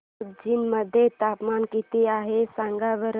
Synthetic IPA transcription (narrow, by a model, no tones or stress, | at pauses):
d͡ʒinməd̪ʱjet̪aːpmaːnkit̪iaːɦesãŋɡabəɾ